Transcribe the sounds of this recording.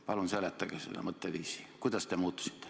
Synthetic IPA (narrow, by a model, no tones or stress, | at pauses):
pɑlunselet̪ːɑɡesḛlːæ̰mɤt̪ːeʋiːsi̥ːkujd̪ɑst̪emuːt̪ːu̥si̥t̪ːe̥